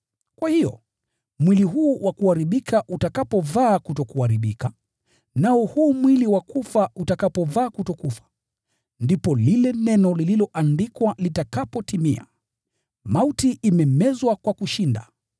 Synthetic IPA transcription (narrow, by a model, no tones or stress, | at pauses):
kwahijɔ̰ | mwiliɦuːwʔakuhaɾiɓikʰaʔutakapɔvaːkutɔkuaɾiɓika | naɔhuːmwiliwakufautakapɔvaːkutɔkufḁ | ndipɔlilɛnɛnɔlililɔʔandikwalitakapɔtimia̰ | mautiʔːmɛmɛzwakwakuʃinda̰